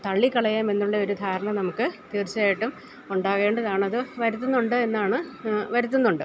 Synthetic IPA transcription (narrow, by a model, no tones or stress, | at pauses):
t̪ɐɭːikːɐɭɐjaːme̞nːuɭːɐo̞ɾud̪ʱaːɾɐɳɐnɐmukːɨt̪iːrt͡ɕːaːjiʈːum | uɳɖaːɣe̞ːɳɖɐðaːɳɐðɨʋɐɾut̪̬ːunːuɳɖɨe̞nːaːɳɨʋɐɾut̪ːunːuɳɖɨ